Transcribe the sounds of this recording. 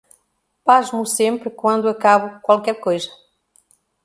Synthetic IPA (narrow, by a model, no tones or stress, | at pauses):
pazmʊsẽmpɾɪkwɐ̃nd̪ʊakaβʊkwalˠkɛɾkojzɐ